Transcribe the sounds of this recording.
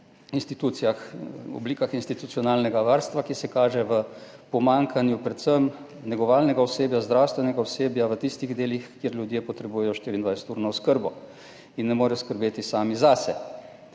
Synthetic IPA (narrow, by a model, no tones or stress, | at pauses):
inst̪it̪uːt̪sijaxɔ̰bliːkaxinst̪it̪u̥t̪sijɔnaːlnɛɡaʋaːɾst̪ʋakisɛkaːʒɛʋə | pɔmaːŋkʰanjupɾɛt̪səm | nɛɡɔʋaːlnɛɡaɔseːbjazd̪ɾaːwst̪ʋɛnɛɡaɔseːbjaʋət̪ist̪iɣd̪eːlixkjeɾlʲjud̪jepɔt̪ɾɛbuːjɛjɔʃt̪iːɾiːnd̪ajsɛ̥t̪uːɾnɔɔskəɾbɔ | inːɛmoːɾɛjɔskəɾbeːt̪isaːmizasɛ